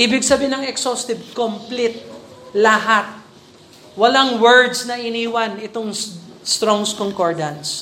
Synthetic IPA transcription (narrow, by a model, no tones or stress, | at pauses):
ʔiːbɪɡ̚sɐbiːɪnɐŋɛksost̪ɪb̚komplit̪̚lɐɦat̪̚ | wɐlaŋwɛɹd̪snɐʔɪniːwɐnɪt̪oŋst̪ɾoŋskoŋkoɹd̪ɐns